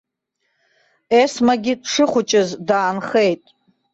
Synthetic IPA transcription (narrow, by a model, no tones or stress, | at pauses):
esmaɡʲidʂɨχʷʊt͡ʃʼɪzdaːnχe̞jtʼ